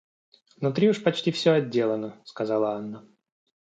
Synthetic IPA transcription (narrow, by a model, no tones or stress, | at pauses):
vnʊt̪ɾʲiʊʂpɐt͡ɕtʲifsʲɵɐdʲːe̞lˠənəskɐzalˠəanːə